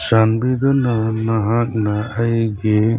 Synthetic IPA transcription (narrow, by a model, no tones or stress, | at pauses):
sanbid̪ɔnanaɦãknaajɡe